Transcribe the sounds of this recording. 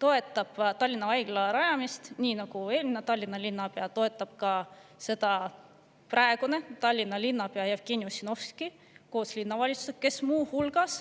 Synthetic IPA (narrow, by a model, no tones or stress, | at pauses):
t̪o̞e̞t̪ːˑɑb̥t̪ɑlʲːinɑɑjɡ̥lɑɾɑjɑmist̪niːnɑɡ̥ue̞ːlʲminet̪ɑlʲːinːɑlʲinːɑpe̞ɑt̪o̞e̞t̪ˑːɑb̥̚kɑse̞t̪ɑ | præeɡ̥une̞t̪ɑlʲːinːɑlʲinːɑpe̞ɑjɑfkenʲjosʲino̞fski | ko̞ːslʲinːɑvɑlʲit̪su̥sek̪̚ke̞smuːhulɡ̥ɑs